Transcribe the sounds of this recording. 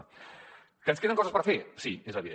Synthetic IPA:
kənskeðəŋkɔzəspəɾfesiezəβið

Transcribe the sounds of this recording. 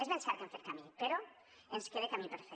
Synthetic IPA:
ezβensaɾkanfeɾkamipeɾo | enskeðekamipeɾfe

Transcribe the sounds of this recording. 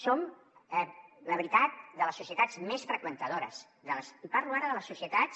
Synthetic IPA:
som | ɛləβɾit̪at̪̚d̪ələsusiət̪azmesfɾəkwənt̪əðoɾə̰s | d̪ələsipaɾluaɾəðələsːusiət̪ats

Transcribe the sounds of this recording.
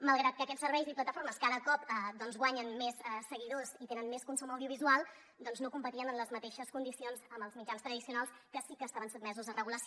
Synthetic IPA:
məlˠɣɾat̪̚kəːkɛt͡ssːəɾβɛjziplət̪əfoɾməskaðəkɔp̚d̪ɔnzɣwaɲənmesɛsəɣiðozit̪enənmeskunsuməwðiuβizualˠ | d̪ɔnznokumpət̪iənənləzmət̪eʃəskund̪isionzəmbəlzmid͡ʒanst̪ɾəðisiunalˠskəsikəːstaβənsud̪̚mɛzuzərəɣuləs

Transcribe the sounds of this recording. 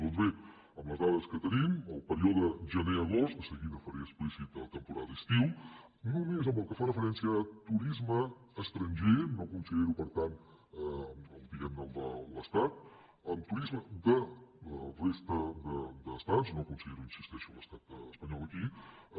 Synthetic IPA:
d̪ɔnzβe | əmləzðaðəskət̪əniməlˠpəɾioðəʒəneəɣost̪əsəɣiðəfəɾeəsplisit̪̚ət̪əmpuɾaðəist̪iw | nomizəmbəlˠkəfarəfəɾɛnsiəːt̪uɾizməː | st̪ɾənʲʒenokunsəðeɾupəɾt̪an | məlˠp̪iɣɛmnəlˠd̪ə̰ləst̪at̪̚ | əmt̪uɾizməd̪ələrest̪əd̪əd̪əst̪anznokunsiðeɾuinsist̪ɛʃuləst̪at̪əəspəɲɔlˠəki

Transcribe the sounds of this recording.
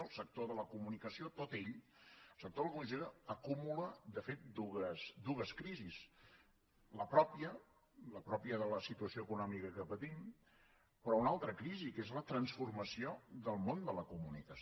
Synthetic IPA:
əlˠsək̚t̪oðələkumunikəsiot̪ot̪eʎ | lˠsək̚t̪oðəlˠəkunizeɾəəkumuləd̪əfet̪̚d̪uɣəsd̪uɣəskɾizis | ləpɾɔpiə | ləpɾɔpiəðələsit̪uəsioəkunɔmikəkəpət̪im | pɾɔunalˠt̪ɾəkɾizikezlət̪ɾənsfurməsioðəlˠmond̪ələkumunikə

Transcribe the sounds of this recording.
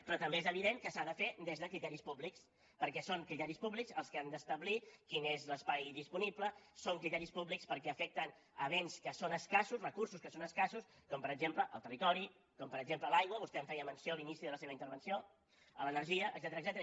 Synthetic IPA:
pɾɔt̪əmbeezəβ̞iðeŋkəsaðəfed̪ezðəkɾit̪ɛɾispubliks | pəɾkɛsoŋkɾit̪ɛɾispuβlikzəlˠskəand̪əst̪əβlikinezləspajðispunipləsoŋkɾit̪ɛɾispuβlikspəɾkɛəfɛk̚t̪ən | əβ̞enskəsonəskasusrəkursuskəsonəskasuskɔmpəɾəɡd͡ʒempləʔə̰lˠt̪ərit̪ɔɾi | kɔmpəɾəɡʒempləlajɣwəβust̪ɛəɱfɛjəmənsioəlinisiðələseβəint̪əɾβənsio | ələnəɾʒiəʔə̰ːɡzɛt̪əɾəɡzɛt̪əɾ

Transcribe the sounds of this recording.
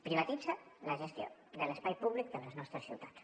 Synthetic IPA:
pɾiβat̪id͡zalaʒest̪jo̰d̪əlespajpuβlik̚d̪ələznɔst̪ɾəsḭwt̪ḁt̪

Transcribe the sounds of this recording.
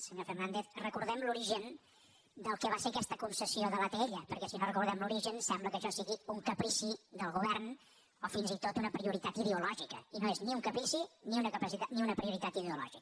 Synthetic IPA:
səɲofərnand̪eθrəkuɾðɛmluɾiʒən | d̪əlˠkɛβasekɛst̪əkunsəsioðəlat̪eʎəpəɾkɛsinorəkuɾðɛmluɾiʒənsɛmbləkəʃɔsiɣiuŋkəpɾisiðəlˠɣuβɛrn | ofinzit̪ot̪unəpɾiuɾit̪at̪iðeulɔʒikəinoezniuŋkəpɾisiniunəkəpəsit̪at̪niunəpɾiuɾit̪at̪iðeulɔ̰ʒik

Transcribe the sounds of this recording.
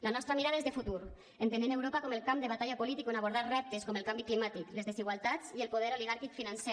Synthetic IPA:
lanɔst̪ɾamiɾaðaezðefut̪uɾ | ent̪enenewɾopakɔmelˠkamd̪eβat̪aʎapolit̪ikonaβoɾð̞aɾrɛp̚t̪eskɔmelˠkambiklimat̪iklezðeziɣwalˠt̪at͡sielˠpoðɛɾoliɣaɾkikfinansɛ

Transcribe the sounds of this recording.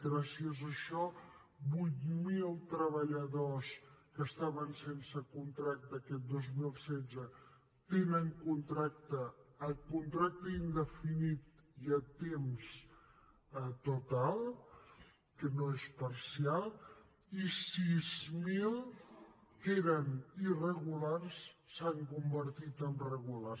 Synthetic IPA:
ɡɾasiəzəʃɔ | bujt̪milˠt̪ɾəβəʎəðoskəst̪aβənsensəkunt̪ɾak̚t̪əːkɛt̪̚d̪ozmilˠsɛzə | t̪enəŋkunt̪ɾak̚t̪əːkunt̪ɾak̚t̪əind̪əfinit̪̚iət̪ems | t̪ut̪alˠ | kənoespəɾsialˠ | isizmilˠ | keɾənirəɣularssaŋkumbəɾt̪it̪əmrəɣula

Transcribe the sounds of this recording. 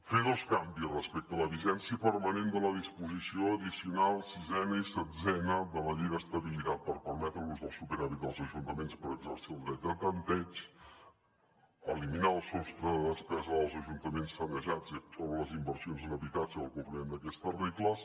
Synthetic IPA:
feðoskambisrəspɛk̚t̪ələβiʒɛnsiəpəɾmənend̪ələðispuzisioəðisiunalˠsizɛnəisəd͡zɛnəðələʎiɣəst̪əβilit̪at̪̚pəɾpəɾmɛt̪ɾəluzðəlˠsupəɾaɾid̪əlˠzəʒunt̪əmenspəɾəɡzəɾsiəlˠd̪ɾɛt̪̚d̪ət̪ənt̪ɛt͡ʃ | əliminaəlˠsɔst̪ɾəðəðəspɛzəðəlˠzəʒunt̪əmensfənəʒad͡zisɔβɾələzimbərsionznəβit̪ad͡ziəlˠkumpɾimend̪əkɛst̪ərekləs

